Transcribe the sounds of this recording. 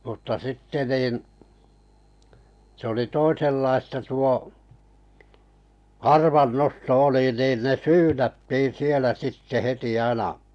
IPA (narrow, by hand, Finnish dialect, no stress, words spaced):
mutːɑ sitːe niˑn sĕ oli toiselːɑistɑ tuo ɑrʋɑnːosto oli nin ne syːnætːiːn̞ sielæ sitːe heti ɑinɑ